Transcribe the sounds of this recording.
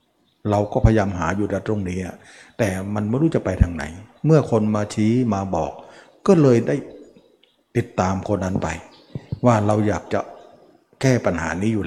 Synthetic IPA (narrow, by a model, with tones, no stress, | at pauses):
ɾa˧wkɔː˥˩pʰa˧jaː˧mɦaː˩˦juː˨˩da˧˩t̪ɾo˧˥˩ŋniː˦˥ʔa̰˨˩ | t̪ɛː˨˩ma˧nm˧˥˩ɾuː˥˩t͡ɕa˨˩pa˧jt̪ʰa˧ŋna̰˩˦jmɯ˥˩ɐkʰo˧nmaː˧t͡ɕʰiː˦˥maː˧bɔː˨˩k̚ː | ɔː˥˩lɤː˧jdaː˥˩j | t̪i˨˩t̪ːaː˧mkʰo˧nːʔːa˧˥npa̰˧j | waː˥˩ɾa˧wjaː˨˩k̚t͡ɕa̰˨˩ʔ | kɛː˥˩pa˧nha̰ː˩˦niː˦˥juː˨˩l